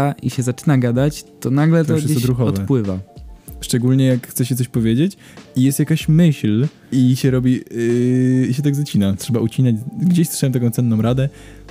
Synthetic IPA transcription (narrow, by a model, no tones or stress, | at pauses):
aʔḭɕɛzat͡ʂɘnaɡad̪at͡ɕt̪ɔnaɡlɛt̪ɔʂɡsd͡ʑekɔd̪ɾuxɔɔtvɛpwɘvaʂt͡ʂɛɡulɲɛjakxt̪sɛɕ̬ɛt̪ɔɕʲpɔvʲjed͡ʑet͡ɕ | ijɛst̪jakaɕmɘɕl | iɕɛɾɔbʲi | iɕɛt̪aɡzat͡ɕinatʂɛbaʔut͡ɕinad͡ʑɡd͡ʑeɕsʂɛwɛmt̪ak̬ɔ̃t̪sɛnːɔ̃wɾad̪ɛ